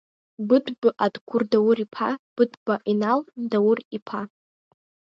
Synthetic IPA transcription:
bɨdbɨʔadkʷʰʊrdawʊɾipʰab̥ɨdbaʔinaldawʊripʰa

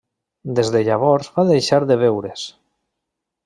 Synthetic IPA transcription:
d̪ezðeʎaβ̞ɔɾzβaðejʃaɾðeβ̞ewɾes

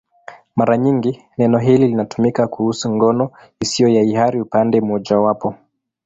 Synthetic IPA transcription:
maɾaɲiŋɡi | nɛnɔɦililinatumikakuhusuŋɡɔnɔ | isiɔjaihaɾiupandɛm̩ɔʄawapɔ

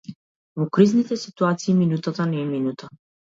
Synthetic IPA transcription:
vɔkɾiznit̪ɛsit̪uat̪siːminut̪at̪anɛːminut̪a

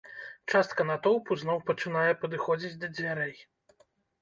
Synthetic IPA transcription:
t͡ʂast̪̚kɐnat̪ɔwpuznɔwpɐt͡ʂɨnajɛpɐd̪ɨxɔd͡zʲit͡sʲd̪ɐd͡zʲvʲaɾɛj

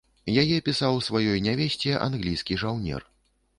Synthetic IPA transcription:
jajɛpʲisawsvajɔjnʲavʲɛsʲt͡sʲɛʔa̰nɣlʲijskʲiʐawnʲɛ̰r

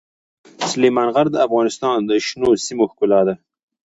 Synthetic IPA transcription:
slemɑnɣaɾd̪əafɣɑnɪst̪ɑnd̪əʃnosimoxkʊlɑd̪a

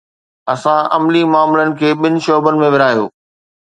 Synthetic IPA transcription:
ɐsãɐmlimʊaːmlənɪ̆kʰeːɓɪnɪ̆ʃoːbənɪ̆mẽʋɪɾaːijo̰ː

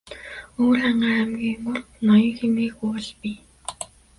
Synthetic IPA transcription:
oːrχaɴɢaːæmɡʲiːŋɢʊrknɔjɞ̆ŋxemɡiːɣujɔɮpi

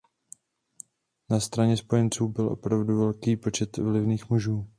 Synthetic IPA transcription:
nast̪ɾaɲɛspo̞jɛnt͡suːbɪlʔo̞̰pɾavduvɛlkiːpo̞t͡ʃɛt̪vlɪvniːxmuʒuː

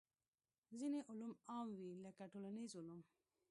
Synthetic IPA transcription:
zineʔʊlumaːmwilakaʈolanizulum

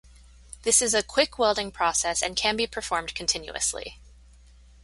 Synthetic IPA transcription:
ðɪsɨzɨkʰw̥ɪkʰwɛlˠdɪ̃ŋpʰɹ̥ɔsɛsɨ̰̃nkʰɨ̃nbipʰə˞fɔɹmd̥kʰɨ̃n̩tʰɪ̃njʉ̰ɨ̰slḭ

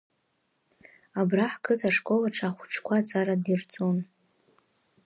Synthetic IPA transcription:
abraħkʼʰɨtʰaʂkʼolaʈ͡ʂʰaχʷuʈ͡ʂʰkʷʰat͡sʰʼaɾadirt͡sʼon

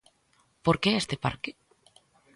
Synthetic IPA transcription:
poɾkeest̪epa̰ɾkɪ

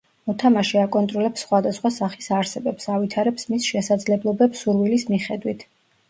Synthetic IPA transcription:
ɔt̪ʰamaʃiakʼɔnt̪ʼɾɔlɛpsːχwad̪asχwasaχi̥saɾsɛbɛpsavit̪ʰaɾɛpsmisʃɛsad̪zlɛblˠɔbɛpsuɾvilismiχɛd̪wit̪ʰ

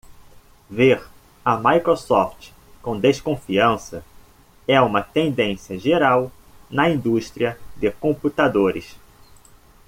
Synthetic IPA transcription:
veɾ | ɐmajkɾosɔft͡ʃ | kõd̪eskõfiɐ̃sɐ | ɛũmɐt̪ẽnd̪ẽsiɐʒeɾaw | nɐĩd̪uʃt̪ɾiɐd̪ɪkõmput̪ad̪oɾɪ̰s

